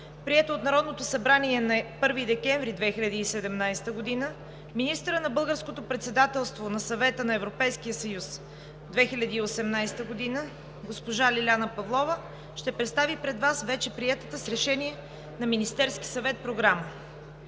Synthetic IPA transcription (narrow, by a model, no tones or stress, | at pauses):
pɾiɛt̪oːt̪nɐɾɔd̪not̪osɐbɾaniɛnɐpɤɾvid̪ɛkɛɱvɾid̪vɛxilʲɐd̪iːsɛd̪ɛmnajsɛ̥t̪əɡod̪inə | minist̪əɾənɐbɤlˠɡəɾskot̪opɾɛt̪sɛd̪at̪ɛlˠst̪vonɐsɐvɛt̪ənɐɛvɾopɛjskijəsɐjus | d̪vɛxilʲɐd̪iːosɛmnajst̪əɡod̪inə | ɡospoʒalʲilʲanəpɐvlˠɔvə | ʃt̪ɛpɾɛt̪st̪avipɾɛd̪vasvɛt͡ʃɛpɾiɛt̪ət̪əsɾɛʃɛniɛ | nɐminist̪ɛɾskʲi̥sɐvɛt̪̚pɾoɡɾamə